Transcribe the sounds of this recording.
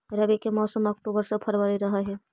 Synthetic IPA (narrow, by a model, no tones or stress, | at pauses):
ɾɐbikemɔːsəmɐk̚ʈuːbəɾsepʰɐɾbəɾiɾɐɦaɦɛː